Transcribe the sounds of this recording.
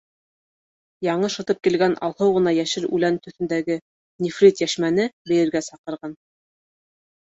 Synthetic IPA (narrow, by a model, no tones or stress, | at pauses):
jɑɴɤʃɤ̆t̪ɤp̚kilɡænʔɑ̰lˠhɤwʁɤ̆nɑjæʃɘɾʉ̰lænt̪ɵ̆θɘ̆nd̪æɡɘ | nʲifrʲit̪jæʃmænɘbɘ̆jɘ̆ɾɡæsɑqɤ̆ɾʁɑn